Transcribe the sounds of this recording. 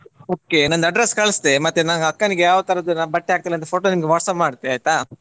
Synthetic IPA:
oːkenɐnd̪ɐɖɾɐskɐɭɐsd̪emɐt̪ːenaːɡɐɐkːɐniɡejaːʋɐt̪ɐɾɐd̪unaːbɐʈːeaːɡ̚t̪iːlɐnt̪̬ɐpʰoːʈoːnimɐɡeʋaːʈsɐpmaːɖt̪ːeaːjt̪a

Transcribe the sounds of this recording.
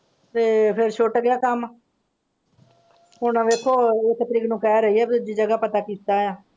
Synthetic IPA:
t̪eːpʰɪɾʃʊʈɡɪjaːkəm | ɦʊɳʋeːkʰːoːekt̪əɾiːknũːkɛːɾəiːɛːbt̪ʊd͡ʒiːd͡ʒəɡaːpət̪aːkiːt̪aːjaː

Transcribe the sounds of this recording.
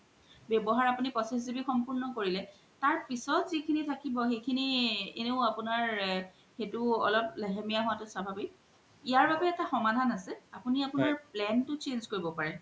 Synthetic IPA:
bjɛbɔɦaɹapunipɔsisibixɔmpuɹnɔkoɹilɛ | taɹpisɔtzikʰinitʰakibɔxejkʰiniḛneʊapʊnaɹ | xetʊɔ̰lɔplɛɦemijaɦʊwatʊsabʱabi | ijaɹbabɛːtaxɔmadʱanasɛapuniapʊnaɹplɛntʊt͡ʃenzkoɹibɔpaɹɛ

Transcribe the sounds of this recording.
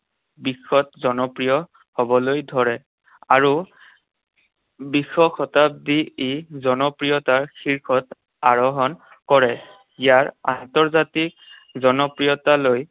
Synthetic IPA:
bixɔtzɔnɔpɹijɔ | hobɔlojdʱɔɹɛ | aɹu | bixɔxʰɔtap̚diezɔnɔpɹijɔtaɹxʰiɹkʰɔt | aɹɔɦɔn | kɔɹɛ | ijaɹa̰ntɔɹzatik̚ | zɔnɔpɹijɔtaloj

